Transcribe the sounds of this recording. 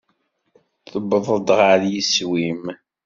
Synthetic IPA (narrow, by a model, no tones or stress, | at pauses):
θəbəðˤəd̪ʁəɾjiswim